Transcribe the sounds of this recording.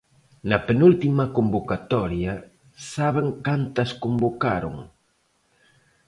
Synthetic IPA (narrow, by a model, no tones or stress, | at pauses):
nɐpenult̪imɐkombokat̪ɔɾjɐ | saβeŋkant̪ɐskombokaɾo̰ŋ